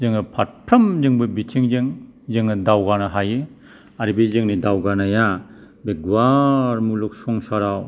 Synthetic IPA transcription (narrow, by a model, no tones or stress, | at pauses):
zɯŋɯpʰat̚pʰɾɐmzɯŋbɯbitʰiŋzɯŋzɯŋnɯdawɡanɯɦajɯ | aɾibizɯŋnidawɡanaja | beɡuwaɾmuluk̚sɔŋsaɾaw